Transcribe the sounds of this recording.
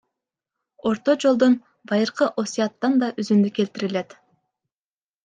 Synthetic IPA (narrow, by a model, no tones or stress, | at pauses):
o̞ɾt̪od͡ʒo̞lˠd̪on | bɑjɯɾqɯʔo̞sʲijɑt̪ːɑnd̪ɑʔyzynd̪yke̞lt̪iɾile̞t̪